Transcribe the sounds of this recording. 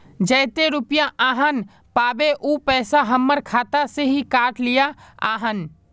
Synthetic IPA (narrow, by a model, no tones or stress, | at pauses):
d͡ʒɛːt̪eɾʊpjaʔaːɦən | paːbeʔuːpɛːsaɦɐmːəɾkʰaːt̪aseɦikaːʈlijaa̰ːɦən